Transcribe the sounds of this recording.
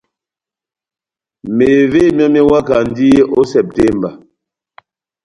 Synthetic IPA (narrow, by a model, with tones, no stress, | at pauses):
me˨ve˦˨m˦a˦mɛ˦wa˦ka˨n˦di˦e˦ʔo˦sɛ˨p̚te˦˨mba˨